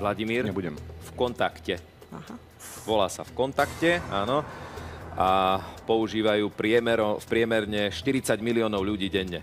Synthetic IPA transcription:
laɟimiːɾɲɛbuɟɛmfkɔnt̪akcɛ | aɦa | ʋɔlaːsa̰fkɔnt̪akcɛaːnɔ | apɔuʒiːʋajuːpɾɪɛmɛɾɔfpɾɪɛmɛɾɲɛʃt̪iɾit͡saɟmiliɔːnɔʊʎuɟiːɟɛɲːɛ

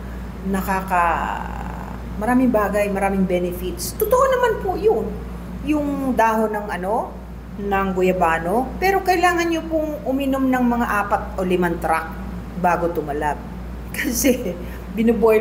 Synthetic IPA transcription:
nɐkakɐ | mɐɾaːmɪŋbaːɡɐjmɐɾaːmɪŋbɛnɛfɪt̪̚st̪ʊt̪oʔonɐmanpʊjʊn | jʊŋd̪aːho̞nɐŋʔɐno̞ | nɐŋɡʊjɐbaːno̞pɛːɾo̞kɐjlaːŋɐnɲopʊŋʔʊmɪnomnɐŋmɐŋaʔaːpɐt̪̚ʔolɪmant̪ɾak̚ | baːɡot̪ʊmɐlat̚ | kɐsɛ | bɪnʊboj

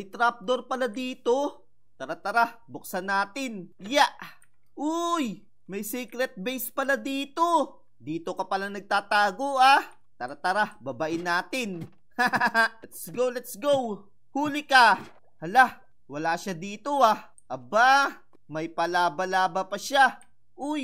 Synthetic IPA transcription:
ɐjt̪ɾap̚d̪oɾpɐlad̪iːt̪o̞ | t̪ɐɾat̪ɐɾabʊk̚sɐnaːt̪ɪnjaʔ | ʔoj | mɐjsiːkɾɛt̪̚bɛjspɐlad̪iːt̪o̞ | d̪iːt̪o̞kɐpɐlanɐɡ̚t̪aːt̪aːɡoʔa | t̪ɐɾat̪ɐɾabɐbaʔɪnːaːt̪ɪn | halɛt̪sɡowlɛt̪sɡow | huːlɪka | hɐla | wɐlaːʃad̪iːt̪oa | ʔɐba | mɐjpɐlaːbɐlaːbɐpɐʃa | ʔʊj

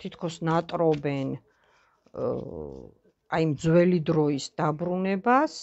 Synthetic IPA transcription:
t̪ʰit̪ʰkʰɔsnat̪ʼɾɔbɛn | aimd̪zwɛlid̪ɾɔisd̪̥abɾunɛbas

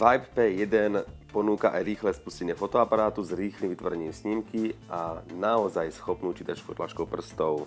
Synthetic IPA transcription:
ʋajppɛjɛd̪ɛnpɔnuːkaʔajɾiːxlɛspuscɛɲɪɛfɔt̪ɔapaɾaːt̪uzɾiːxlimʋit̪ʋɔɾɛɲimsɲimkiʔanaɔzajsxɔpnuːt͡ʃiːt̪at͡ʃkut̪la̰t͡ʃkɔʊpr̩st̪ɔʊ

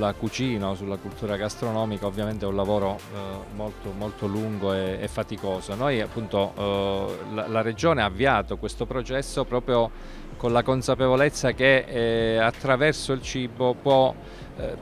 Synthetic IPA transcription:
lːakut͡ʃiːnaosulːakult̪uːɾaɡast̪ɾonɔːmikaovːjament̪eɛunlavoːɾomolt̪omolt̪oluŋɡoeefːat̪ikoːzonojapːunt̪o | lalared͡ʒoːneaːvːiaːt̪okwest̪opɾot͡ʃɛsːopɾɔːpɾjo | konlakonsapevolet̪sːake | at̪ːɾavɛrsoilt͡ʃiːbopwɔ

